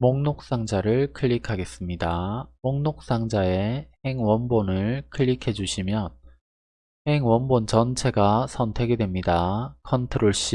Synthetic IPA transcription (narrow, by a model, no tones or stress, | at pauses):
moŋnok̚s͈aŋd͡ʑaɾɯɭkʰɯʎːikʰaɡe̞s͈ɯmɲidamoŋnok̚s͈aŋd͡ʑae̞he̞ŋwʌnbonɯɭkʰɯʎːikʰe̞d͡ʑuɕʰimjʌn | he̞ŋwʌnbont͡ɕʌnt͡ɕʰe̞ɡasʰʌntʰe̞ɡedwe̞mɲidakʰʌntʰɯɾoɭɕ͈i